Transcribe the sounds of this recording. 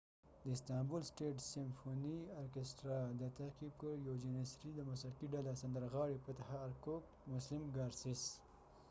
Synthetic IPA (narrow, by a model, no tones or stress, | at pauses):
d̪əɪst̪ɑmbulsʈeʈsɪmfoniaɾkesʈɾɑd̪ət̪ahqib̚kəɾjawd͡ʒenesɾid̪əmʊsɾakiɖalasand̪əɾɣɑɽepət̪ahaːɾkok̚ | mʊslɪmɡɑɾsis